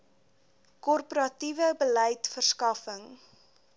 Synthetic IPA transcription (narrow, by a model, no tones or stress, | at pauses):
kɔrpoɾɐtivəbələjtfərskɐfəŋ